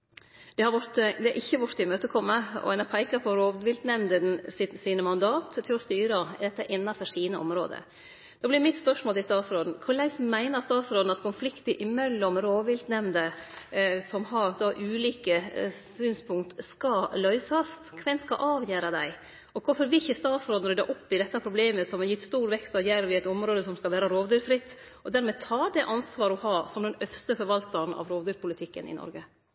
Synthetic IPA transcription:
d̪ɛhɑɾʋʊɾt̪əd̪ɛæɾʔɪçːəʋʊʈt̪ːɪmøːt̪əkʰɔmːəɔ̰ɛnæpʰæɪkɑpʰɔɾoːʋʋɪld̪nɛmnd̪ənsɪt̪siːnəmɑnd̪ɑːt̪t̪ʰːɪlɔst̪yːɾəd̪ɛt̪ːəʔɪnːɑfɔʂiːnəʔɔ̰mɾo̰ːd̪ə̰ | d̪̥ɑːblɪɾmɪt̪spœʂmoːlɪst̪ɑːt̪sɾoːd̪n̩kʰʊɭæɪsmæɪnəɾst̪ɑːt̪sɾoːd̪n̩ɑt̪kʰʊnflɪkt̪əʔɪmɛlːɔmɾoːʋɪld̪nɛmnd̪ə | sɔmhɑɾd̪ɑːʔʉːliːkəsyːnspʰʊŋkt̪skɑlœʏsɑst̪kʰʋɛnskɑʔɑːʋjæːɾɑd̪æɪ | ɔkʰʊɾfɔɾʋɪçəst̪ɑːt̪sɾoːd̪n̩ɾœd̪əɾʔɔpːɪd̪ɛt̪ːhæpʰɾʊbleːməsɔmɑɾjɪt̪ːst̪uːɾʋɛkst̪ɑʋjæɾʋɪɛɪt̪ɔmɾoːd̪əsɔmskɑlʋæːɾɑɾoːʋd̪yːɾfɾɪt̪ː | ʔɔd̪æːɾmɛt̪ʰɑːɖɛʔɑnsʋɑːɾɔhɑːsɔmd̪ɛnœfst̪əfɔɾʋɑlt̪ɑɾnɑ̰ʋɾoːʋd̪yːɾpʰʊlɪt̪ʰɪkːə̰nɪ̰nɔ̰ɾɡə

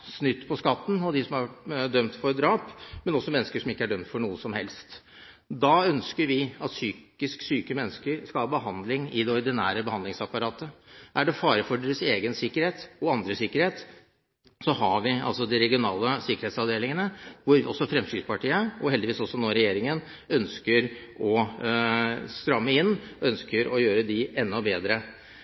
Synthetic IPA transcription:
snʏt̪ːpʰɔskɑt̪ːn̩ɔd̪ɪsɔmhɑd̪œmt̪fɔɾd̪ɾɑːpmɛnɔsːɔmɛnːəskəʂɔmɪkːəæɖœmt̪fɔɳuːəsɔmhɛ̰lst̪ | d̪ɑœnskəɾʋɪɑt̪syːk | ɪsksyːkəmɛnːskəɾskɑlhɑːbəɦɑnd̪lɪŋɪd̪ɛɔɾd̪ɪnæ̰ːɾəbəhɑnd̪lɪŋsɑpːɑɾɑːt̪əʔæɖɛfɑːɾəfɔɖeɾəseːɡənsɪkːəɾheːt̪ɔɑnd̪ɾəsɪkːəɾheːt̪ | sɔɦɑʋɪɑ̰lsɔd̪ɪɾɛɡɪʊnɑːləsɪkːəɾheːt̪sɑʋd̪eːlɪŋənəʋʊɾʋɪɔsːɔfɾɛmsyːspɑʈiːəɔhɛld̪ɪʋiːsɔsːɔnoːɾɛjeːɾɪŋən | œnskəɾ | ɔ | st̪ɾɑmːəɪnːœnskəɾɔjøːɾəd̪ɪɛnːɔbeːd̪ɾə

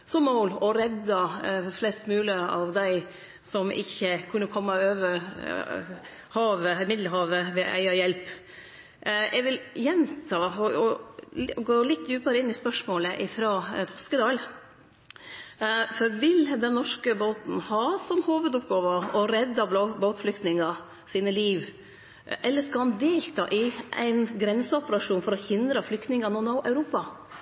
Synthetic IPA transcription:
sɔmːɔːlɔɾɛd̪ɑflɛst̪mʉːləɑ̰ʋd̪æɪ | sɔmʔɪ̰çːəkʰʉnːəkʰɔmːɑøːʋə | hɑːʋəmɪd̪ləhɑːʋəʋɛʔæ̰ɪɑjɛlp | ʔɛʋɪljɛnt̪ʰɑːɔɔ | ɡoːlɪt̪ːjʉːpɑɾəɪnːɪspœʂmoːləʔɪfɾɑːt̪ʰɔskəd̪ɑːl | fɔɾʋɪld̪ɛnːɔʂkəboːt̪n̩hɑːsɔmhoːʋəd̪ʊp̚ɡɑːʋɑɔɾɛd̪ːɑb̪oboːt̪flʏkt̪nɪŋɑ | siːnəliːʋ | ʔɛlːəʂkɑhɑnd̪eːlt̪ʰɑ̰ːʔɪʔæ̰ɪnɡɾɛnsəɔpəɾɑʂuːnfɔɾɔhɪnd̪ɾəflʏkt̪nɪŋɑnɔnoːʔɑʉɾuːpɑ

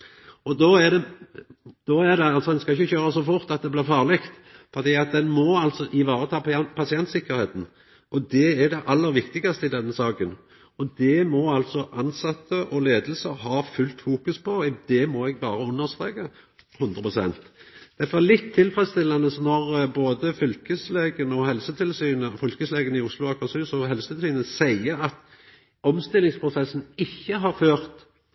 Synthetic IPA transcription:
ɔd̪ɔæd̪ɛ | d̪̥ɔɛd̪ɛɑlsɔd̪ɛnskɑɪçːəçøːɾəsɔfʊɾt̪ɑt̪̚d̪ɛblɪɾfɑːʁlɪkt̪ | fɔʁd̪iːɑt̪̚d̪ɛnmɔɑlt̪sɔʔɪʋɑːɾət̪ʰɑːpɑsɪɛnt̪sɪkːəɾheːt̪n̩ | ʔɔd̪ɛæd̪ɛʔɑlːəɾʋɪkt̪ɪɡɑst̪əɪd̪ɛnːəsɑːkən | ɔd̪ɛmɔɑlt̪sɔʔɑnsɑt̪ʰːəʔɔleːd̪əl̩səɦɑːfʉlt̪fuːkʉspʰɔd̪̥ɛmɔɛɡ̚bɑːɾəʉnːəʁst̪ʁeːkə | hʉnd̪ʁəpʰʁʊsɛ̰nt̪d̪̥æfɔɛlɪt̪ʰːɪlfʁɛst̪ɪlːɑnəsnɔʁboːd̪əfʏlkəsleːɡənəɔhɛlsət̪ʰɪlsyːnəfʏlkəsleːɡənɪʊslʊɑkɑsyːsɔɦɛlsət̪ɪlsyːnəsæɪəɑt̪ | ɔmst̪ɪlːɪŋspʰʁʊsɛsːn̩ɪçːəɦɑɾføːɾt̪

